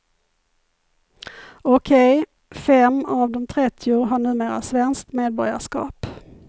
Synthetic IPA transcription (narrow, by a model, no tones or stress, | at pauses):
ɔkʰɛj | fɛmavd̪ɔmt̪ʰɾɛt̪ʰːɪʊɦaɳʉ̟ːmeːɾa̰svɛnsk̚t̪meːd̪̚bɔɾja̰ʂkɑ̰ːp